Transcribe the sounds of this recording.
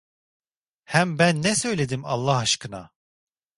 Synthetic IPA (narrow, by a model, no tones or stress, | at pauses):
hæmbænːɛsø̞jlʲed̪imɑ̰lˠːɑhaʃkʰɯna̰